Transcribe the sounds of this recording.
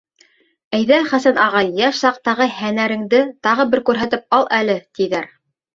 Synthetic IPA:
æjðæχæsænɑʁɑj̪jæʃsɑq̚t̪ɑʁɤhænæɾɘ̆ŋd̪ɘt̪ɑʁɤbɘɾkʉɾɦæt̪ɘp̚ɑlˠʔælɘt̪iðæɾ

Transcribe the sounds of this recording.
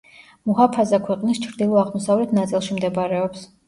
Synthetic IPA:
muɦapʰazakʰwɛqʼnist͡ʃʰɾd̪ilˠɔaʁmɔsavlɛt̪ʰnat̪sʼilˠʃimd̪ɛbaɾɛɔps

